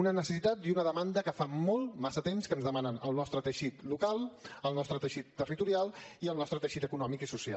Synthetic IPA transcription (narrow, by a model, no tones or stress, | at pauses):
unənəsəsit̪at̪̚d̪unəðəmand̪əkəfamɔlˠmasət̪emskənzðəmanənəlˠnɔst̪ɾət̪əʃit̪lukalˠəlˠnɔst̪ɾət̪əʃit̪ːərit̪uɾialˠiəlˠnɔst̪ɾət̪əʃit̪əkunɔmikisusia̰l